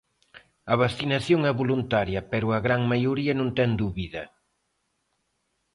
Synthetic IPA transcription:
ɐβasθinɐθjoŋɛβolunt̪aɾjɐpɛɾʊɐɣɾaŋmajuɾiɐnõnt̪ɛŋd̪uβiðɐ

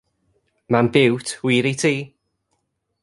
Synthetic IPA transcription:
manbɪwtʰwiːɾitʰiː

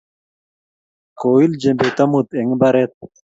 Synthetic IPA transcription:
koːild͡ʑembet̪ɐmut̪eŋbɐɾet̪̚

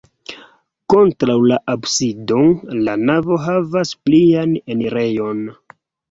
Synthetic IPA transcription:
ko̞ntɾawlaʔabsido̞lanavo̞ɦavaspliane̞neɾe̞jo̞n

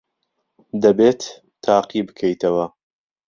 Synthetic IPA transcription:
d̪ɐbeːt̪ʰː | aːqibɨkʰɐjt̪ɐwɐ

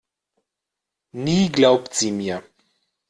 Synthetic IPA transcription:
niːɡlawpt͡simiə

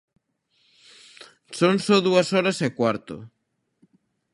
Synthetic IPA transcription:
soŋsɔðuɐsɔɾɐsekwaɾt̪ʊ̰

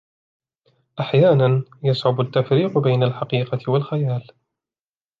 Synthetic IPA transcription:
ʔaħjaːnanjɑsˤʕʊbʊt̪ːafɾiːqbajnalħɑqiːqɑɪwalxajaːl

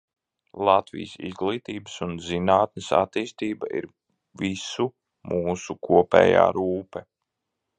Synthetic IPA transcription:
lˠat̪vḭjsḭzɡlˠiːt̪iːbəsunzinaːt̪nəsa̰t̪iːst̪iːbaʔḭɾ | visu | muːsukuɔpɛ̰ːja̰ːɾuːpɛ

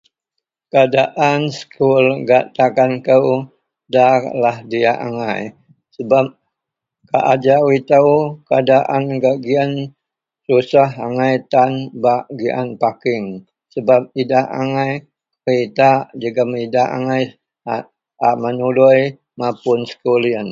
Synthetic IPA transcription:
kəadaʔansə̥kʰulɡaʔt̪akankəw | dalahdiaʔa̰ŋaj | səbap̚ | kaʔad͡ʒawit̪əwkəadaʔanɡaʔɡian | susaɦaŋajt̪anbaʔɡiʔa̰npakɪŋ | səbap̚idaʔaŋaj | rit̪aʔd͡ʒəɡamidaa̰ŋaj | a | amənuluj | mapʊnsə̥kuliən

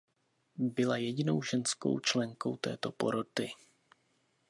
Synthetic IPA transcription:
bɪlajɛɟɪno̞wʒɛnsko̞̰wt͡ʃlɛŋko̞̰wt̪ɛ̰ːt̪o̞po̞̰ɾot̪ɪ

